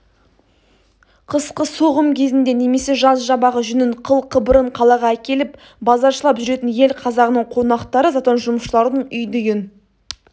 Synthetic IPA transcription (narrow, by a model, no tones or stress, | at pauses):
qʰəsqəso̞ʁəmkʲʰe̞zɪnd̪e̞ne̞me̞se̞ʒɑsʒɑbɑʁəʒʏnɪɴqʰəlˠqʰəbəɾəɴqʰɑlˠɑʁɑækʲe̞lɪp | bɑzɑɾʃəlˠɑpʒʏɾe̞t̪ɪnje̞lqʰɑzɑʁənəɴqʰo̞nɑqt̪ɑɾəzɑt̪onʒʊməʃəlˠɑɾd̪əɴʏjd̪eɡʲɪn